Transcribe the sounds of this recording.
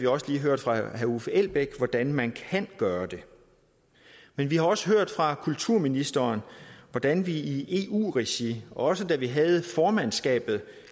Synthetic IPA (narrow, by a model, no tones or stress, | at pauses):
ʋiɒ̽səliːɦøɐ̰d̥fʁɑ̈hæufəel̰b̥eɡ̥ʋɒd̥ænmænkʰænɡ̥ɶːɐd̥e̝ | menʋihɑ̈ɒ̽səɦøɐ̰d̥fʁɑ̈kʰult͡sʰuɐ̰minisd̥ɐnʋɒd̥ænʋiie̝̰ṵːʁeɕiɒ̽səd̥æʋiɦæð̞̩ˠfɒːmænsɡ̥ɛ̰ːb̥ð̞̩ˠ